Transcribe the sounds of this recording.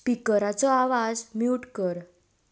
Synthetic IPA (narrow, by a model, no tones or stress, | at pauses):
pikəɾat͡sɔaʋad͡zmiʈkəɾ